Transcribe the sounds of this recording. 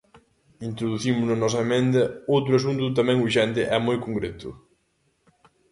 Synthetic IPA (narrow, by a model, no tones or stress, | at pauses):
int̪ɾoðuθimʊznɐnɔsɐemẽnd̪ɐowt̪ɾʊasunt̪ʊt̪̬ɐmɛ̃ŋuɾʃɛnt̪ɪʔɛmojkoŋkɾet̪ʊ